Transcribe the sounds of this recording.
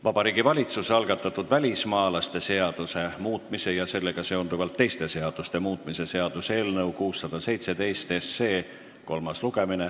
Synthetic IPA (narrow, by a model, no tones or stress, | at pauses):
vɑb̥ɑɾiːɡivɑlʲit̪suseɑlɡ̥ɑt̪ːˑɑt̪ːˑud̪vælʲismɑːlɑst̪e̞se̞ɑd̪̥use̞muːt̪ˑmise̞jɑse̞lːe̞ɡ̥ɑse̞ond̪uvɑlt̪ːe̞jst̪e̞se̞ɑd̪̥ust̪e̞muːt̪ːˑmise̞se̞ɑd̪̥use̞ːlnɤwkuːsːɑd̪̥ɑse̞jt̪se̞d̪̥e̞jst̪e̞sːe̞ː | ko̞lmɑsluɡ̥e̞mine̞